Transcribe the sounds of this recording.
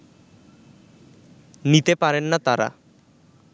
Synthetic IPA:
nit̪epaɾenːat̪aɾa̰

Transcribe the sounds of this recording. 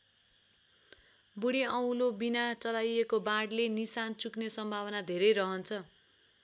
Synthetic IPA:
buɽiʌw̃lobinat͡sʌlajekobãɽlenisant͡suknesʌmbʱawʌnad̪ʱeɾʌjɾʌɦʌnt͡sʰʌ

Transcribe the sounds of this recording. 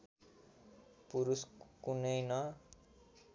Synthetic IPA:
puɾuskunʌjnʌ

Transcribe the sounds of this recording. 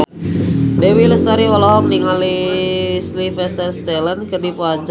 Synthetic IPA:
dewiləst̪aɾiwɔlɔɔmniŋali | slifɛst̪ərst̪ɛlankɨrdipuaɲt͡ʃ

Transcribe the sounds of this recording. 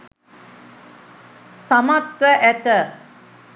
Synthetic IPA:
samat̪ʋəʔæt̪ə

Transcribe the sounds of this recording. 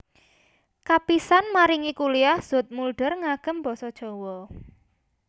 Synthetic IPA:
kapisanmaɾiŋikuliahz̥ot̪̚mulɖ̥ərŋaɡ̥ə̤mbɔsɔd̥ʒ̥ɔ̤wɔ

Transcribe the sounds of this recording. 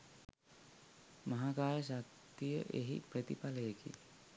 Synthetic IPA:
maɦakaːjəs̬ak̚ | t̪t̪ijəʔeɦḭprət̪ipaləjekḭ

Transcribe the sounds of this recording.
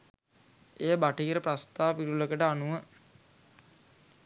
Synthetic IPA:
eːbaʈiːɾəprast̪aːpiɾuləkəʈəanuʋə

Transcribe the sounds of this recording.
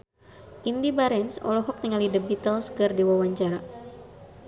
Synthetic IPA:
ʔindibaɾɛnsɔ̰lɔɦɔk̚niŋalidəbit̪əlskərdiwawaɲt͡ʃaɾa

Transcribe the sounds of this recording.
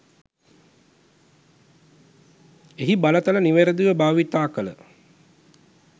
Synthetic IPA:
eɦibalət̪ɐləniʋeɾəd̪uʋəbaːʋit̪aːkələ

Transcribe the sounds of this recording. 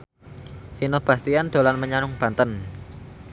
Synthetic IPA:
sinob̥ä̤st̪iand̪̥o̤lanməɲanʊŋb̥a̤nt̪ən

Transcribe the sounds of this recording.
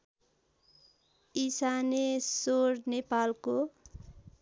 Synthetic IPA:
isanesornepalko

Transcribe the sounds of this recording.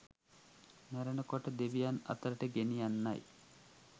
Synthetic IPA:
mæɾənəkoʈəd̪eʋijanɐ̰t̪əɾəʈəɡenijanːaj

